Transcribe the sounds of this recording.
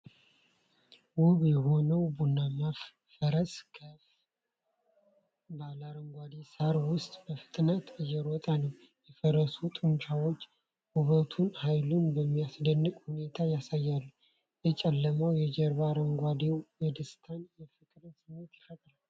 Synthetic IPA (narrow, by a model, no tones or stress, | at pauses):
wʊβjɛho̞nəwbunːamaf | fəɾəskʰə | balaɾəŋɡʷad̪esaɾwʊst̪ʼbəfɨ̥t̪ʼnat̪ɨjːɛɾwɔt̪ʼanəw | jɛfəɾəsut̪ʼɨmʃawo̞t͡ʃː | huβət̪ʰunhajlunbəmːijasd̪ənːɨkʼhune̞t̪ʰajasajːalːuh | jɛt͡ʃʼɛlːəməwjɛd͡ʒɛɾbaɾəŋɡʷad̪ewwed̪ɨst̪ʰanjɛfɨkʼɾɨnsɨmːet̪jɪfət̪ʼɾal